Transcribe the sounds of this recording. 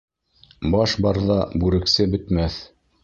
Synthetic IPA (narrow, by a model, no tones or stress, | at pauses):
bɑʃbɑɾðɑbʉɾɘ̆ksɘbɘ̆t̪mæθ